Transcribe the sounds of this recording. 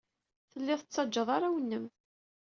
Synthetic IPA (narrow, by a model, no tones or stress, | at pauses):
θəlːɪðət͡sːɑd͡ʒːəðˤaɾawənːəm